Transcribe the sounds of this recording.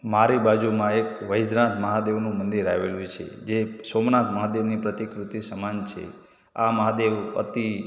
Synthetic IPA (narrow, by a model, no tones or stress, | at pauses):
maɾibad͡ʒumãekʋəjd̪nat̪ʰməɦad̪eʋnũmənd̪iɾaʋelũt͡ʃʰḛd͡ʒesomnat̪ʰməɦad̪eʋnipɾət̪ikɾut̪isəmant͡ʃʰḛ | a̰məɦad̪eʋə̰t̪i